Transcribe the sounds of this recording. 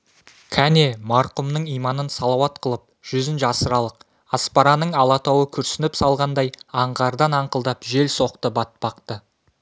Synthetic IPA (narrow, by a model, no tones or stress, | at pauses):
kʲʰæne̞mɑɾqʊmnəɴijmɑnənsɑlˠɑwɑt̪qʰəlˠəp̚ʒ̥ʏzɪnʃɑsəɾɑlˠəq̚ | ɑspɑɾɑnəɴɑlˠɑt̪ɑwəkʲʰʏɾsɪnɪpsɑlˠʁɑnd̪ɑjɑɴʁɑɾd̪ɑnɑɴqəlˠd̪ɑpʒe̞lso̞qt̪əbɑt̪̚pɑqt̪ə